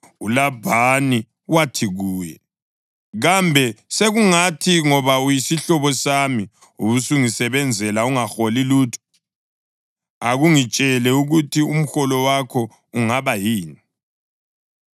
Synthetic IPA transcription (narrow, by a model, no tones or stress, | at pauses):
ulabʱani | watʰiɣuːjɛ̰ | ɣambʱɛseɣuŋatʰiŋɔβaujisiɬɔβɔsami | uβusuŋisɛβɛnd͡zʱɛlauŋaxoliluːtʰɔ̥ | aɣuŋit͡ʃʼɛlɛuɣutʰium̩xɔlɔwakʰɔ | uŋaβajiːni